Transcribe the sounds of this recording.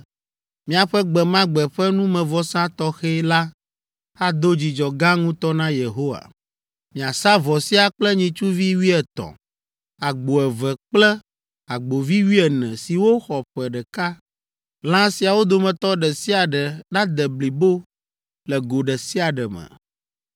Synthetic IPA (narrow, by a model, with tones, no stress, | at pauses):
mĩ˨a˨ɸɛ˦ɡ͡bɛ˨mã˦ɡ͡bɛ˨ɸɛ˦nũ˦mɛ̃˨vɔ˦sã˦t̪ɔ˦xɛ˦la˦ | a˨d̪o˦d͡ʑi˨d͡ʒɔ˨ɡã˦ŋũ˦t̪ɔ˦nã˦je˨ɦo˦wa̰˨ | mĩ˨a˨sa˦vɔ˨si˦a˨k͡plɛ˦ɲĩ˨t͡ʃu˦vi˦wi˦ɛ˨t̪ɔ̰̃˨ | a˨ɡ͡bo˨ɛ˨vɛ˨k͡plɛ˦ | a˨ɡ͡bo˨vi˦wi˦ɛ˨nɛ̰̃˨si˨wo˦xɔ˨ɸɛ˨ɖɛ˨ka˦ | lã˦si˨a˨wo˦d̪o˨mɛ̃˨t̪ɔ˦ɖɛ˨si˦a˨ɖɛ˨ɖã˦d̪ɛ˨bli˨bo˦ | lɛ˨ɡo˨ɖɛ˨si˦a˨ɖɛ˨mɛ̰̃˨